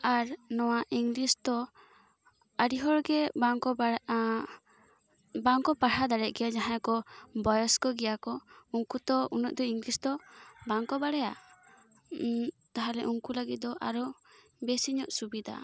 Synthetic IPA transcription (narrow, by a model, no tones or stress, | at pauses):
aɾnɔwaʔiŋɡlist̪ɔ | əɽiɦɔɭɡɛbaŋkɔb | baŋkɔpaɽhad̪aɽɛʔ̚ɡɛjad͡ʒaɦãjkɔbɔjɔskɔɡɛjakɔuŋkut̪ɔunɔ̰ʔd̪ɔiŋɡlisd̪ɔbaŋkɔbaɽɛja̰ | t̪aɦaɾɛʔuŋkuləɡit̪̚d̪ɔʔaɾɔ | besiɲɔʔsubid̪a̰